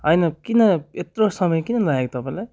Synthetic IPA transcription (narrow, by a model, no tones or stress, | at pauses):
ɦʌjnʌkinʌet̪ɾosʌmʌjkinʌlʌekt̪ʌpãlaj